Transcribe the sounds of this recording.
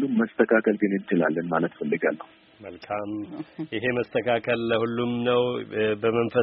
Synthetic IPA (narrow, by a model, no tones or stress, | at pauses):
lːumːəst̪ʰəkʰakəlɡɨnɨnt͡ʃɪla̰lːənmalət̪fəlːɨɡalːəhu | məlkʰamʔɪɦe̞məst̪ʰəkʰakʰəlːəhulːumnəwbəmənfə